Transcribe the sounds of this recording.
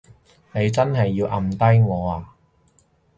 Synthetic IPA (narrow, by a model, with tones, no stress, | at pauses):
ne˨˧jt͡sɐ˥nɦɐ˨jːiː˧wʔɐ˧mt̪ɐ˥jŋɔː˨˧aː˨˩